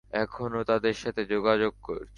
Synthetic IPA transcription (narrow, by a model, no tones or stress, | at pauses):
ɛkʰonot̪ad̪eɾʃat̪ʰed͡ʑoɡad͡ʑoɡ̚ko̰ɾʰ